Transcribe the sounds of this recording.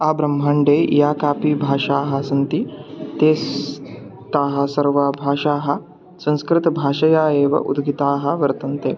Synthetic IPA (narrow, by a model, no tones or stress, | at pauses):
aːbɾɐm̤ːɦaːɳɖeːjaːkaːpiːbʱaːʂaːɦɐsɐnt̪it̪eːs | t̪aːɦɐ̆sɐɾʋabʱaːʂaːɦɐ̆ | sɐ̃nskɾɪt̪ɐbʱaːʂɐjaːeːʋɐ̰ʔṵd̪ɡit̪aːɦɐ̆ʋɐɾt̪ɐnt̪eː